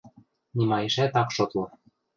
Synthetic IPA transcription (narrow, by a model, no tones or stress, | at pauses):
nimɑjĕʃæt̪ɑkʃot̪lɤ̆